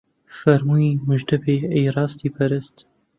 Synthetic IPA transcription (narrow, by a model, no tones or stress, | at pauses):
fɐɾmuːiːmɨʒd̪ɐbeːejɾɑːst̪iːpʰɐɾɪst̪